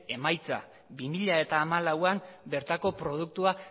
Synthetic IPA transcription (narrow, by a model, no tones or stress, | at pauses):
e̞majt͡sa̰ | bimiʎae̞t̪aːmalawambe̞ɾt̪ako̞pɾo̞ð̞uk̚t̪ua